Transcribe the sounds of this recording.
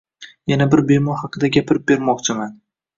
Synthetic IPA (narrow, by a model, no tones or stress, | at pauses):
janabɪɾbe̞mɒɾhɑqʰɨd̪aɡʲapʰɪɾɪp̚be̞ɾmɒqt͡ʃʰɪman